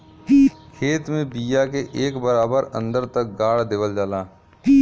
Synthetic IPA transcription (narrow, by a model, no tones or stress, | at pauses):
kʰeːt̪mẽbiːjakeʔeːkbəɾaːbəɾə̰̃nd̪əɾt̪ək̚ɡaːɽd̪eːʋəld͡ʒaːlaː